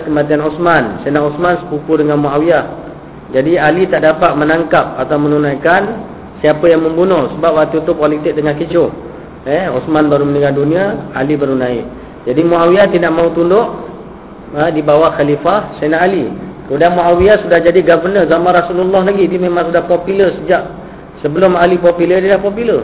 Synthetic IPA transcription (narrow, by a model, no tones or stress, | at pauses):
kəmãt̪ianɔsmansenaʔusmansə̥pukudəŋanmuawia | d͡ʒadialit̪aʔdapat̪̚mənaŋkap̚at̪awmənunajkan | siapəjaŋməmbunʊhsəbap̚wat̪ut̪ʊkwalit̪ɪk̚dəŋankit͡ʃo | ɛɔsmanbaɾuməniɡadunĩaalibəɾunaḭ | d͡ʒadimuawiat̪idaʔmãɦut̪undʊʔ | ədibawaxalifahsanaʔalikəmudanmuawiasudahd͡ʒadiɡavərnəzamanɾasululːɔhlaɡidimẽmãŋsudahpopulərsəd͡ʒaʔ | səbəlʊmalipopulədəlahpopulər